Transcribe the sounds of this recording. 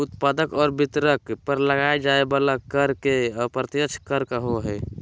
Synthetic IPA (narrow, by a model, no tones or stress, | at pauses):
ut̪pad̪əkɔːɾbit̪ɾəkpəɾləɡaed͡ʒaebalakəɾkeɔpɾət̪jət͡ʃʰkəɾkəɦoɦɛː